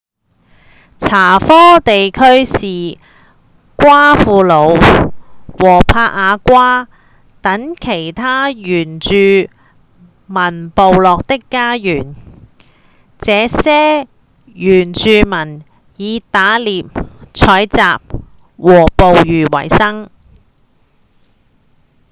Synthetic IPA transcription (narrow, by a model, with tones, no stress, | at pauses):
t͡sʰaː˨˩fɔː˥t̪e˨jkʰɵ˥ɥsiː˨ | kʷwaː˥fuː˧lo˨˧w | wɔː˨˩pʰaː˧˥ʔ̚aː˨˧kʷaː˥ | t̪ɐ˨˥ŋkʰe˨˩jt̪ʰaː˥jyː˨˩nt͡ʃyː˨˧ | mɐ˨˩npo˨wlɔː˨k̚t̪ɪ˥kːaː˥jyː˨˩n | t͡sɛː˨˧sɛː˥ | jyː˨˩nt͡ʃyː˨˧mɐ˨˩n | jiː˨˧t̪aː˨˥liː˨p̚t͡ʃʰɔː˨˧˥jt͡saː˨p̚ | wɔː˨˩po˨wjyː˨˩wɐ̰˨˩jsɐ˥ŋ